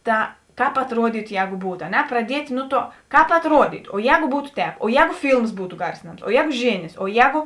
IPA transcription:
ˈtɐ ˈkɑːp ɐtruɔˈdʲiːtʊ ˈjɛːɡʊ ˈbuːt ɐ ˈnʲɛ prɐdʲiɛtʲ ˈnʊ ˌtuɔ ˈkɑːp ɐtruɔˈdʲiːtʊ oː ˈjɛːɡʊ ˈbuːtʊ ˈtʲɛːp oː ˈjɛːɡʊ ˈfʲiːlˠms ˈbuːtʊ ˈɡɐrʲsʲɪnɐms oː ˈjɛːɡʊ ˈʒʲeːnʲeːs oː ˈjɛːɡʊ

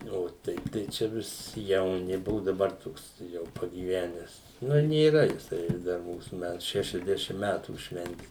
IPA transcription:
oː ˈtʲɛɪp tɐɪ ˈt͡ʃʲɛ ʋʲɪs jɛʊˈnʲɪ ˈbʊʋʊ dɐˈbɐr ˈtoːks jɛʊ pɐɡʲiːˈʋʲæːnʲɛs ˈnʊ nʲeːˈrɐ jɪˈsɐɪ ˈdɐr ˈmuːsʊ ˈmʲætʊ ʃʲɛʃʲɛzʲˈdʲæːʃʲɪm ˈmʲæːtuː ˈʃʲʋʲɛnʲtʲɪ

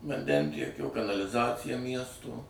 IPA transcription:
ʋɐnʲˈdʲɛnʲtʲiɛkʲoː kɐnɐlʲɪˈzɑːt͡sʲɪjɛ ˈmʲiɛstoː

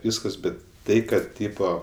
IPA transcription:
ˈʋʲiːskɐs ˈbʲɛt ˈtɐɪ ˈkɐt ˈtʲiːpoː

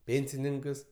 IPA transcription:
ˈpʲeːnʲsʲɪnʲɪŋkɐs

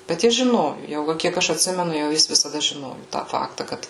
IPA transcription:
bʲɛt ˈjɪs ʒʲɪˈnoːjʊ jɛʊ ˈʋɐ kʲiɛk ˈɐʃ ɐtʲˈsʲɪmʲɛnʊ jɛʊ ˈjɪs ʋʲɪsɐˈdɐ ʒʲɪˈnoːjʊ tɑː ˈfɑːktɐ ˈkɐt

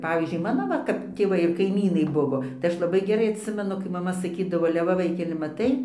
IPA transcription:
ˈpɑːʋʲiːzʲd͡ʒʲʊɪ mɐnoː ʋɐ kɐp tʲeːˈʋɐɪ ɪr kɐɪˈmʲiːnɐɪ ˈbʊʋoː tɐɪ ˈɐʃ lˠɐˈbɐɪ ɡʲɛˈrɐɪ ɐˈtʲsʲɪmʲɛnʊ kɐɪ mɐˈmɐ sɐˈkʲiːdɐʋoː ɐlʲɛ ˈʋɐ ˈʋɐɪkʲɛlʲɪ mɐˈtɐɪ

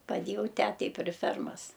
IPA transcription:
pɐˈdʲeːjɛʊ ˈtʲæːtʲɛɪ pʲrʲɪ ˈfʲɛrmɐs

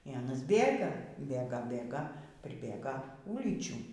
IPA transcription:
iː ˈɑːnɐs ˈbʲeːɡɐ ˈbʲeːɡɐ ˈbʲeːɡɐ pʲrʲɪˈbʲeːɡɐ ˈuːlʲiːt͡ʃʲuː

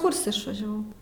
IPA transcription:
ˈkʊrʲsʲɛ ɪʃʋɐʒʲɛˈʋɐʊ

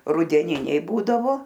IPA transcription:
rʊdʲɛˈnʲɪnʲɛɪ ˈbuːdɐʋoː

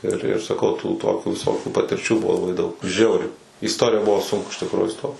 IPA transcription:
ɪr ɪr sɐˈkɐʊ tuː ˈtoːkʲuː ʋʲɪˈsoːkʲuː pɐtʲɪrʲˈt͡ʃʲuː ˈbʊʋoː lˠɐˈbɐɪ dɐʊk ˈʒʲɛʊrʲɛɪ iː ɪsˈtoːrʲɪjɛ ˈbʊʋoː ˈsʊŋkʊ ɪʃ tʲɪkˈruːjʊ ɪˈstoːt

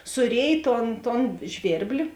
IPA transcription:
sʊˈrʲeːj ˈtoːn toːn ˈʒʲʋʲeːrʲbʲlʲɪ

